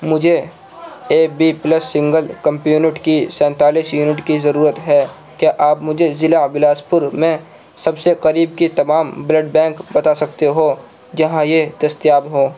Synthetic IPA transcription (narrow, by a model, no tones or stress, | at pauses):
mʊd͡ʒʱe | eːbipləsːɪ̃ŋɡəlkɐ̃mpjuːnɪʈkisɛ̃ːnt̪aːliːsjuːnɪʈkizɐɾuːɾət̪ɦɛ | kjaʔaːpmʊd͡ʒʱezɪlabɪlaːspʊɾmẽ | sɐbseqɐɾiːbkit̪ɐmaːmbləɖbɛ̃ːŋkbɐt̪asɐkt̪eɦo | d͡ʒɐɦãjed̪ɐst̪jaːbɦoː